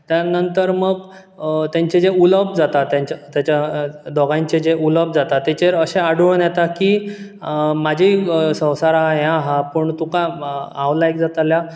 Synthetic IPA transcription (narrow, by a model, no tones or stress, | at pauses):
t̪janənt̪əɾməɡ | t̪jãɲt͡ɕed͡zeuləbd͡zat̪at̪jãɲt͡ɕat̪jat͡ɕad̪ɔɡãɲt͡ɕed͡ʑeʔuləbd͡zat̪at̪ːɛt͡ɕeɾəɕeaɽʋɭnjɛt̪akiː | mad͡ʑʱisə̃w̃saɾaɦajãɦapəɳt̪ũkaawlaek̚d͡zat̪alja